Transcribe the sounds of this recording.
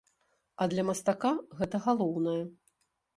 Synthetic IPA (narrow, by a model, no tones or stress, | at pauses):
ɐd̪lʲɐmɐst̪akaɣɛt̪ɐɣalˠɔwnɐjɐ